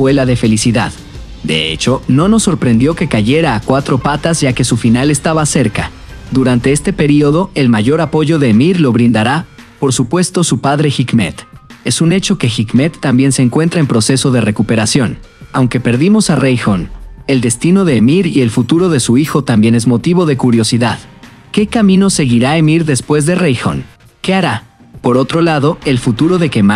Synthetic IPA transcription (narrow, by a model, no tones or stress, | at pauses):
welaðe̞fe̞lisiðað | d̪e̞̰ḛt͡ʃo̞no̞no̞sːo̞ɾpɾe̞nd̪jo̞ke̞kaʝe̞ɾaːkwat̪ɾo̞pat̪azʝake̞sufinale̞st̪aβase̞ɾka | d̪uɾant̪eest̪e̞pe̞ɾio̞ðo̞e̞lmaʝo̞ɾapo̞ʝoðe̞ːmiɾlo̞βɾĩnd̪aɾa | po̞ɾsupwe̞st̪o̞supaðɾe̞xikmḛt̪e̞sune̞t͡ʃo̞ke̞xikme̞t̪ːambje̞nse̞ːŋkwe̞nt̪ɾaempɾo̞se̞so̞ðe̞re̞kupe̞ɾasjo̞nawŋke̞pe̞ɾðimo̞sarejxo̞ne̞ld̪e̞st̪ino̞ðe̞ːmiɾie̞lfut̪uɾo̞ðe̞suixo̞t̪ambje̞ne̞zmo̞t̪iβo̞ðe̞kuɾjo̞siðað | ke̞kamĩno̞se̞ɣiɾae̞miɾðe̞spwe̞zðe̞rejxo̞̰n | ke̞aɾa | po̞ɾo̞t̪ɾo̞laðo̞e̞lfut̪uɾo̞ðe̞kema